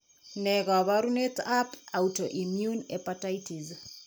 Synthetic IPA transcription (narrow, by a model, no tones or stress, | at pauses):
nɛɣaβaɾunet̪apautoʔimjunɛpataitiz